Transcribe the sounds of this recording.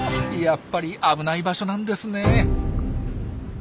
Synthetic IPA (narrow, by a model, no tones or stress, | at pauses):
japːaɾʲiʔabɯ̟naibaɕo̞nãnd̪e̞sɨne̞